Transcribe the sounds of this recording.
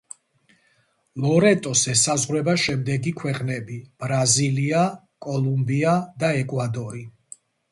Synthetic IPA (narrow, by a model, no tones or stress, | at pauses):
lɔɾɛt̪ʼɔsɛsazʁwɾɛbaʃɛmd̪ɛɡikʰwɛqʼnɛbib̥ɾazilia | kʼɔlˠumbiad̪aɛkʼwad̪ɔɾi